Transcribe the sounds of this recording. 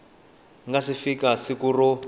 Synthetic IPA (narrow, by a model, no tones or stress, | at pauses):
ŋɡasifikasikurɔ